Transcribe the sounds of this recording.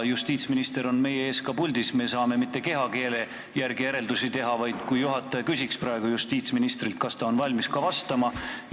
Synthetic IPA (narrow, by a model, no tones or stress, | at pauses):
just̪iːt̪sminist̪e̞ɾo̞nme̞jeeːskɑpulʲd̪̥isme̞ːsɑːme̞mit̪ːe̞ke̞ɦɑke̞ːle | jærɡijeɾe̞ld̪usit̪e̞ɦɑvɑjd̪̥kujjuɦɑt̪ːˑɑjkysʲikspɾrɑe̞ɡ̥ujust̪iːt̪sminist̪rilt̪̚kɑst̪ɑo̞nvɑlʲmiskɑvɑst̪ɑmɑ